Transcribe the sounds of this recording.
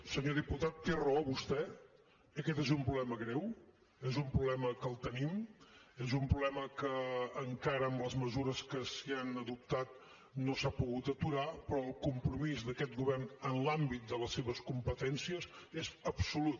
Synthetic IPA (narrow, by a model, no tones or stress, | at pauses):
səɲoðiput̪at̪ːerəoβust̪ɛ | əkɛt̪ezumpɾuβlɛməɣɾɛw | ezumpɾuβlɛməkəlˠt̪ənimezumpɾuβlɛməkəːŋkaɾəːmləzməzuɾəskəsianəðup̚t̪at̪̚ | nosapuɣut̪ət̪uɾapɾɔəlˠkumpɾumizðəkɛt̪̚ɡuβɛrnənlambit̪̚d̪ələsːeβəskumpət̪ɛnsiəz | ezəpsulut̪̚